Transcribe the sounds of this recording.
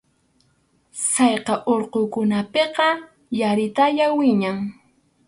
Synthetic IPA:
sɑjqɑʔoɾqokʊnapeqɑ | jaɾɪt̪aʎawɪɲaŋ

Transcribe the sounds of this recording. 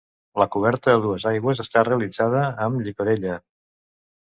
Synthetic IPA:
ləkuβ̞ɛɾt̪əðəðuəzajɣwəzəst̪areəlid͡zað̞əːmʎikuɾeʎə

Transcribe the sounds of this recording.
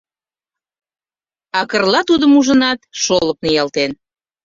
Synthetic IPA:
ɑkərlɑt̪ud̪əmuʒənɑt̪ʃoləp̚nijɑlt̪en

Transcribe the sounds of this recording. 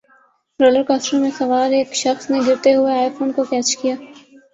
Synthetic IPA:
ɾoːləɾkaːsʈəmẽsɐʋaːɾeːkʃɐxsneɡɪɾt̪eɦʊeaːɪfoːnkokɛːt͡ʃkijaː

